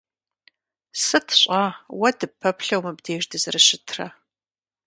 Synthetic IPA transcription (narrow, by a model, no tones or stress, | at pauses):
sɨtʰɕʷʼaːwɐdɨpʰːɐpɬɐwmɨbdeːʒdɨzɨrɨɕɪtʰrɐ